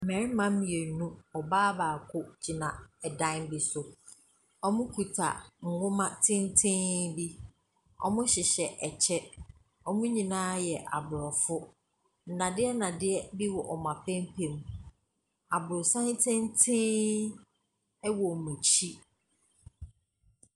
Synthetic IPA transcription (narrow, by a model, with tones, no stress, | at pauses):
m̩˨mɛ̃˨ɾɪ˦mã˨˦m̩˦mĩ˨e˨˦nũ˦ɔ˨baː˦baː˨kʰʊ˦d͡ʑi˨nã˨ɛ˨dã˦nbi˨sʊ˨ | ɔ˦mʊ̃˦kʰu˨tʰa̰˨ŋ̩˨ŋʊ̃˦mã˦tʰɪ̃˦n˦tʰɪ̃˦bi˦ | ɔ̰˦mʊ̃˦ɕɪ˨ɕɛ˨ʔɛ˨t͡ɕʰɛ˦ | ɔ˦mʊ̃˦ɲĩ˨nãː˦jɛ˨ʔa˨bʊ˨ɾɔ˨fʊ˦ | n̩˨nã˨dɪ˦ɛ˦nã˨dɪ˦ɛ˦bi˦wɔ˨ʔɔ˨mã˨pʰɛ̃˦m˦pʰe˨m | a˨bʊ˨ɾɔ˨sã˦n˦tʰɪ̃˦n˦tʰɪ̃˦ | ɛ˦wɔ˨mũ˨t͡ɕʰi˦